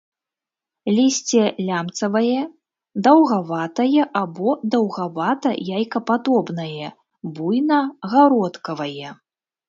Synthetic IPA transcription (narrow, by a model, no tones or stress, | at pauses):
lʲisʲt͡sʲɛlʲamt̪sɐvɐjɛ | d̪ɐwɣavat̪ɐjɛʔabɔd̪ɐwɣavat̪ɐ̰jajkɐpad̪ɔbnɐjɛ | bujnɐɣaɾɔt̪kɐvɐjɛ